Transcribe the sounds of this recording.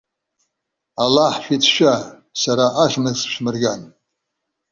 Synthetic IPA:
alaħʃʷᶣit͡sʰʃʷᶣa | saɾaʔaʃʷmɨzʃʷᶣmɨrɡʲan

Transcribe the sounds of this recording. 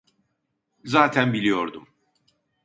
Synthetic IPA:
zaːt̪ʰænbilʲijo̞ɾd̪um

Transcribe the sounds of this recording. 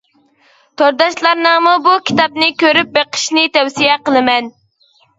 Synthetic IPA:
t̪ʰoɾd̪ɑʃlˠɑɾnɑmubukʲʰi̥t̪ɑpnɨkʲøɾyp̚beqʰə̥ʃnɪt̪ɛwsijɛqəlˠɨmɛn

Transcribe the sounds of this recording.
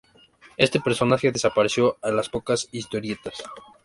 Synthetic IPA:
est̪e̞pe̞ɾso̞naxe̞ðe̞sapaɾe̞sjo̞alaspo̞kasist̪o̞ɾje̞t̪as

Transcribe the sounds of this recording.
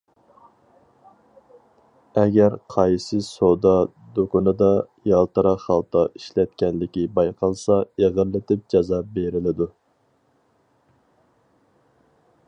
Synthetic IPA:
ɛɡʲæɾqʰɑjsɨsod̪ɑ | d̪okʊnɨd̪ɑ | jɑlˠt̪ɨɾɑχɑlˠt̪ɑiʃlɛt̪kʲɛnlɪkʲibɑjqʰɑlˠsɑeʁəɾlːɪt̪ɪp̚d͡ʒɑzɑbeɾɪlɪd̪u

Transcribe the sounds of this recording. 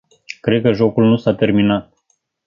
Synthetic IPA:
kɾe̞d̪̚kəʒo̞kulnusat̪e̞rminat̪̚

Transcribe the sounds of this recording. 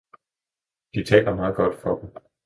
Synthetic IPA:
d̥it͡sʰɛ̰ːlɐmɑ̈ːð̩ˠɡ̥ɒ̽d̥fɒ̽d̥m̩

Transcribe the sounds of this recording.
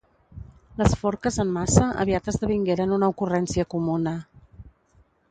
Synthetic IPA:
ləsfɔɾkəzəmːasəʔə̰βiat̪əzðəβ̞iŋɡeɾənunəukurɛnsiəkumunə

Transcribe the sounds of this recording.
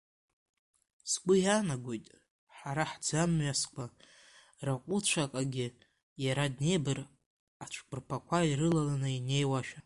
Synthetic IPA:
sɡʷʊjanaɡʷojtʼ | ħaɾaħd͡zamɥaskʷʰʼa | raqʷʼʊt͡ʃʷʰakʼaɡʲɪ | jaɾadne̞jbɨr | at͡ʃʷʰkʼɨrpʰakʷʰaiɾɨlalanɨine̞jwaʃᶣa

